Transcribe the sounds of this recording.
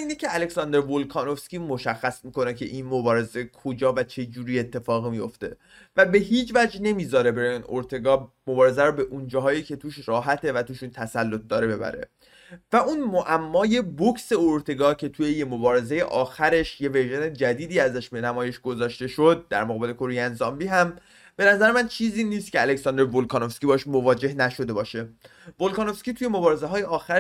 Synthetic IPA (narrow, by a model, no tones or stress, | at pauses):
iːnecʰeæleksɒnd̪e̞ɾvolkʰɒːno̞fskʲiːmoʃæxːæsmiːko̞ne̞cʰe̞̰ʔiːnmo̞bɒːɾe̞ze̞kʰod͡ʒɒːvæt͡ʃʰe̞d͡ʒuːɾiːe̞t̪ʰːe̞fɒːɣimijo̞̰ft̪e̞̰ | væbe̞ɦiːd͡ʒvæd͡ʒne̞miːzɒːɾe̞beɾiːnoɾt̪ʰe̞ɡɒːmobɒːɾe̞zæɾobe̞ʔund͡ʒɒːɦɒːjiːcʰe̞t̪ʰuːʃɾɒːɦæt̪ʰe̞væt̪ʰuːʃunt̪ʰæsælːo̞t̪̚d̪ɒːɾe̞be̞bæ̰ɾe̞̰ | væunmoʔæmːɒːje̞bokʰse̞oɾt̪ʰe̞ɡɒːcʰe̞t̪ʰujejemobɒːɾe̞zeje̞̰ʔɒːxæɾe̞ʃje̞veɾʒene̞d͡ʒæd̪iːd̪iːæzæʃbenæmɒːje̞ʃɡ̥o̞zɒːʃt̪e̞ʃo̞d̪̚ːæ̰ɾmoɣɒːbe̞le̞kʰoɾejænzɒːmbiːɦæm | b̥e̞næzæɾemænt͡ʃʰiːziːniːst̪̚cʰeælecsɒnd̪ɾevolkʰɒːnofskʲibɒːeʃmo̞vɒːd͡ʒe̞hnæʃo̞d̪e̞bɒːʃe̞ | volkɑːno̞fscʲiːt̪ʰuːjemo̞bɒːɾe̞zeɦɒːjeɒːxæɾ